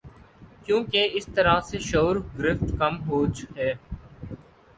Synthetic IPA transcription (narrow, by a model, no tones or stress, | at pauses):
kjũːkeɪst̪əɾaseʃoːɾɡɾɪft̪kɐmɦoːt͡ʃɦɛː